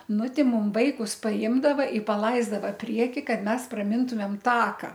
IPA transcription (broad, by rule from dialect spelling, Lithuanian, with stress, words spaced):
ˈnʊ ˈtʲɪ ˈmʊm ˈʋɐɪkʊs pɐˈɪmdɐʋɐ ɪ pɐˈlˠɐɪzdɐʋɐ ˈpʲrʲiɛkʲɪ ˈkɐt ˈmʲɛs prɐˈmʲɪntʊmʲeːm ˈtɑːkɐ